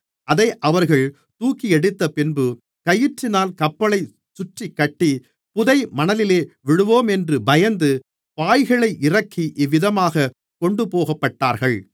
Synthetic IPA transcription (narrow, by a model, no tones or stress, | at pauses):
ɐðɐɪʔɐʋɐɾɣɐɭ | t̪uːkːiɛɽɯt̪ːɐpɪnbɯ | kɐjɪʈrɪnaːlkɐpːɐlɐɪ | sʊʈrikːɐʈːi | pʊðɐɪmɐnɐlɪleːʋɪɽɯʋoːmɛndrɯbɐjɐnd̪ɯ | paːjɣɐɭɐɪʔɪrɐkʰːiʔɪʋːɪðɐmaːɣɐ | kɔɳɖɯpoːɣɐpːɐʈːaːɾɣɐɭ